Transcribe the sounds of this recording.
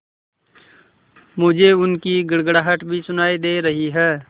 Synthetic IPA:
mʊd͡ʒʱeʊnkiɡəɽɡəɽaːɦəʈbʱisʊnaːid̪eːɾɐɦiɦɛː

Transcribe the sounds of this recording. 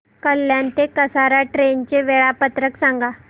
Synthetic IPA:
kəlːjãnt̪ekəsaɾaʈɾent͡ɕeʋeɭapət̪ɾəksãŋɡa

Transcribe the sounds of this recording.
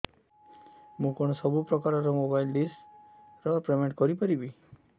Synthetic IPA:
mũkɔɽ̃ɔsɔbupɾɔkaɾɔɾɔmobajlɖis | ɾɔpɾemeɳʈkɔɾipaɾibi

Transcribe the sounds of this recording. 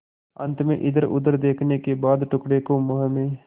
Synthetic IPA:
ɐ̰̃nt̪mḛ̃ʔɪd̪əɾʊ̰d̪əɾd̪eːkʰnekebaːd̪ʈʊkɽekomɐɦəmẽː

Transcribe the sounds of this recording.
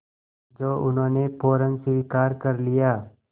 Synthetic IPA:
d͡ʒoːʔʊnɦõːnepʰoːɾə̃nsɪʋikaːɾkɐɾlijaː

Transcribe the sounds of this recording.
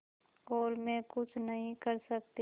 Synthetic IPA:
koːlmẽkʊt͡ʃʰnəɦĩkəɾsɐk̚t̪i

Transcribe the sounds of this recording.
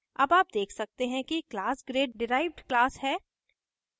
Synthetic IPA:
ɐbaːp̚d̪eːkʰsɐk̚t̪eɦɛ̃kiklaːsɡɾeːɖɖɪɾaːɪʋɖklaːshɛː

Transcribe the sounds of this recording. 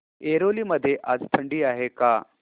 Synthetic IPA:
eɾoliːməd̪ʱːjeʔad͡zt̪ʰəɳɖiːaɦeka

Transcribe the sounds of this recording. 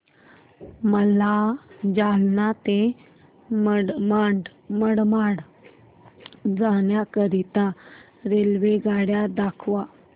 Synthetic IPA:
məlad͡ʑalnat̪e | mmaɳɖməɽmaɽ | d͡zaɳjakəɾit̪a | ɾelʋeɡaɽjad̪akʰʋa

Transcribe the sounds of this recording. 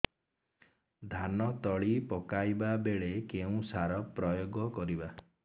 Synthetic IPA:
d̪ʱanɔt̪ɔɭipɔkajbabeɭekeũsaɾɔpɾɔjoɡɔkɔɾiba

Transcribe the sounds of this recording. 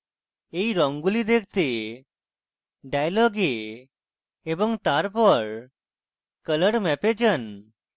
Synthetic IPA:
ejɾɔŋɡulid̪ek̚ʰt̪e | ɖajlɔɡe | bɔŋt̪aɾpɔɾ | kələɽmɛped͡ʒən

